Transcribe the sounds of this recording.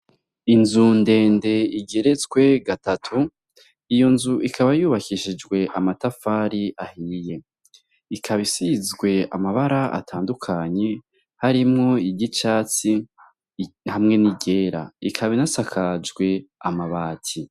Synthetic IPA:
inzunde̞ːnde̞iɡe̞ɾe̞zɡwe̞ɡatatʰu | ijo̞nzuʔikʰaβajuːβakiʃid͡ʒɡwe̞ʔamatafaɾiʔahije̞ | ikʰaβisizɡwe̞a̰maβaɾaʔa̰tʰaːndukʰaɲe̞ | haɾimŋo̞iɟit͡ʃaːt͡si | hamŋe̞niɟe̞ːɾa̰ikʰaβinasakʰad͡ʒɡwe̞amaβaːtʰi

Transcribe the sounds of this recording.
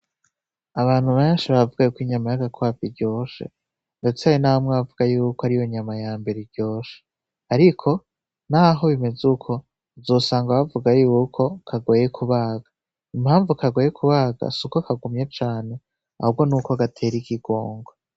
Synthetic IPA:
aβaːn̥huβajanʃeβaβvuɡajukwiɲamajaɡakwaːpiɾɟo̞ːʃe̞̰ | ndet͡seajonahomŋaβavuɡajuːkoaɾijo̞ɲamajaːmbe̞ɾeɾɟo̞ːʃe̥ | aɾikʰo̞ | naɦo̞βime̞zukʰo̞ | zuːsaːŋɡaβavuɡajuːkʰo̞kʰaɡoːjekʰuβaːɡa | imhaːɱvukaɡoːjekʰuβaːɡa̰sukokʰaɡumɲet͡ʃaːne̞ | a̰hub̚ɡo̞nuːkoɡatʰe̞ːɾiɡiɡoːŋɡo

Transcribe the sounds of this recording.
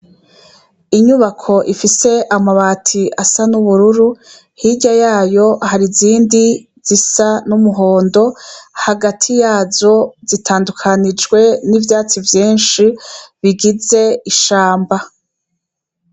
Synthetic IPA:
iɲuβakʰo̞ʔifise̞ʔamaβaːtʰiʔasanuβuɾuɾu | hiɟajaːjo̞haɾiziːndi | z̥isanumuɦo̞ːndo̞haɡatʰijaːzo̞zitʰaːndukʰanid͡ʒɡwe̞nivjaːt͡sivjiːnʃiβiɡize̞iʃaːmba

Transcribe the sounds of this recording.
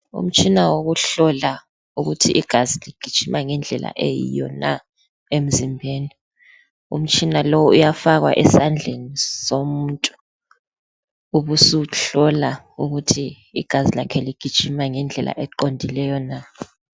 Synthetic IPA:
ṵm̩t͡ʃʰʼinawoɣuɬɔla | uɣutʰiːɡ̥ʱaziliɡ̥ʱid̥ʒ̥ʱimʔaŋɛnd͡ɮʱɛla̰ʔejḭjɔ̰na̰ | em̩zimbʱeːni | ṵm̩t͡ʃʼinalowujafaɣwa̰ʔɛsand͡ɮʱenisomuntʼu̥ | uβusuɬɔla | uɣutʰiː | ɡ̥ʱazilakʰɛliɡ̥ʱid̥ʒ̥ʱimaŋɛnd͡ɮʱɛlʔa̰ʔɛǃondʱilɛjɔna

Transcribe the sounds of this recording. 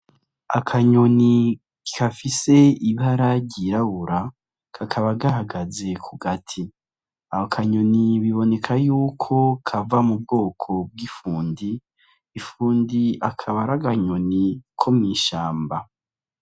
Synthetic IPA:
a̰kʰaɲoni | kafise̞iβaɾaɾɟiɾaβuɾa | kʰakʰaβaɡaɦaɡaze̞kʰuɡatʰi | ahokʰaɲo̞niβiβo̞ne̞kʰajuːkʰo̞kʰavamub̚ɡo̞ːkʰo̞b̚ɡifuːndiː | fuːndiakʰaβaɾaɡaɲo̞nikʰo̞mŋiːʃaːmba

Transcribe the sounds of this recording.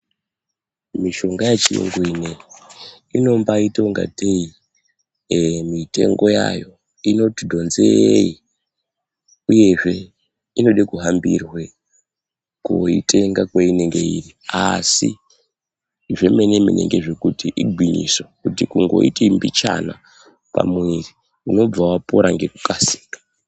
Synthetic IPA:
miʃo̞ŋɡajat͡ʃirḛŋɡoine | ino̞mbaito̞ŋɡa̰tʰei | mite̞̰ŋɡo̞ja̰jo̞ | ino̞tidʱo̞nzeei | uje̞ʐe̞ | ino̞ɗekuɦambirwe | koitʰe̞ŋɡakweineŋɡe̞iri | asi | ʐemenemḛnʔe̞ŋɡeʐe̞kutiʔiɡʱwiɲḭswokutikuŋɡo̞̰itembit͡ʃa̰na | pa̰mwiri | uno̞b͡vawapo̞ɾaŋɡe̞kukasi̥ːkḁ

